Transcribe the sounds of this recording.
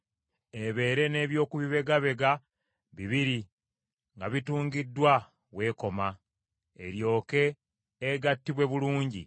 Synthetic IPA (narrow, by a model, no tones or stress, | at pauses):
eβe̞ːɾe̞ne̞ːβjo̞ːkuβiβe̞ɡaβe̞ɡa | βiβiɾi | ŋɡaβituːŋɡidːwa | βwe̞ːko̞ma | e̞̰ɾjo̞ːke̞ː | ɡatːiβwe̞βuluːɲɟḭ